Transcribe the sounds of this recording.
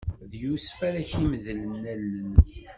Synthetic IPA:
ðjusfæɾæçiməðələnːælːən

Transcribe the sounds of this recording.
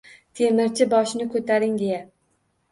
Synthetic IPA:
t̪ʰemɪɾt͡ʃʰɪbɒʃnɪkʰɵt̪ʰaɾɪŋɡea

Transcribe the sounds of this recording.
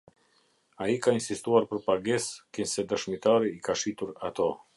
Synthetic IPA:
aikainsist̪uaɾpəɾpaɡɛskənsɛd̪əʃmit̪aɾiːkaʃit̪uɾa̰t̪o

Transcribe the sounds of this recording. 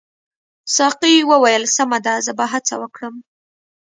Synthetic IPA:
sɑqiwəwajəlsamad̪azəbaɦat͡sa̰wəkɽəm

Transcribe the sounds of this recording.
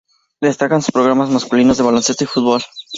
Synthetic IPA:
d̪e̞st̪akansu̥spɾo̞ɣ̞ɾamazmaskulino̞zðe̞βalo̞nsest̪oifut̪̚βol

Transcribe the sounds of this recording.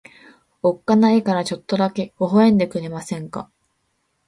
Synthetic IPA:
o̞kːanaikaɾat͡ɕo̞t̪ːo̞d̪ake̞oɦoẽ̞nd̪e̞kɯ̟ɾe̞masẽ̞ŋka̰

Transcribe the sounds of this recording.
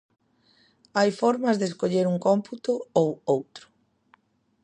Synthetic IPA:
ajfɔɾmɐzðeskoʎeɾuŋkɔmput̪ʊowowt̪ɾʊ̥

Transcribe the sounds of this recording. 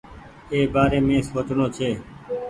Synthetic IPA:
eːbaːɾeːmẽːsoːʈɳõːt͡ʃʰeː

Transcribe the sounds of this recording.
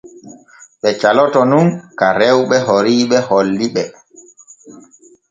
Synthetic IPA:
ɓɛt͡ʃalɔtɔnunkaɾɛwɓɛhoɾiːɓɛholːiɓɛ

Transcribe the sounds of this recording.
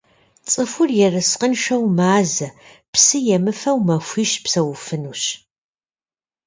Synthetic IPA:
t͡sʼɨfʷʊrjɛrɨsqənʃʷɐwmaːzɐ | psɨjɛmɨfɐwmɐxʷiʃpsɐwʊfɨnuːɕ

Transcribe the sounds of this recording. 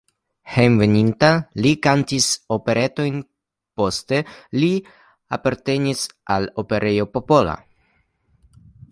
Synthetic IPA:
hejnve̞nintalikantiso̞pe̞ɾʔe̞to̞jn | po̞ste̞li | apaɾte̞nisʔalo̞pe̞ɾʔe̞jo̞po̞po̞la̰

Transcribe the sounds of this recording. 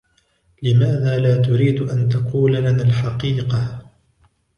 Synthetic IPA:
lɪmaːðaːlaːt̪̬ʊɾiːd̪ʔant̪ɑquːlalanaːlħɑqiːqɑ

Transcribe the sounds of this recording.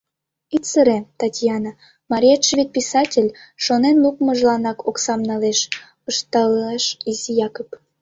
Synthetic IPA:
it̪ʲsəɾet̪ɑtʲjɑnɑ | mɑɾʲijaʃvʲit̪̚pisɑtʲelʲʃonenlukməʒlɑnɑkoksɑmnɑleʃ | əʃt̪ɑlɑʃizijɑkop

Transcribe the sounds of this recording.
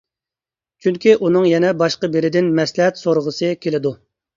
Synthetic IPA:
t͡ʃʰyŋkʲiʔunɨŋjɛnɛbɑʃqəbeɾɪd̪ɪnmɛslɛɦɛt̪soɾʁəsɨkʲʰelɪd̪u

